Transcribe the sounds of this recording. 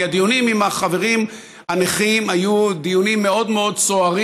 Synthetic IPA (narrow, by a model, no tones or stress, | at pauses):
ad̪ijunimimaχave̞ʁim | haneχimajud̪ijunimːe̞o̞d̪meo̞d̪t͡soaʁi